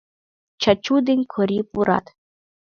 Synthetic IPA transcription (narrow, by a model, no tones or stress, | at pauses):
t͡ʃat͡ʃud̪inʲkʰɔɾipuɾa̰t̪